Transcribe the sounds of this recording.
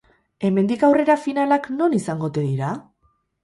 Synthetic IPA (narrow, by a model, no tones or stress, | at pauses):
e̞me̞nd̪ikawre̞ɾafinalakno̞nisaŋɡo̞t̪e̞ðiɾa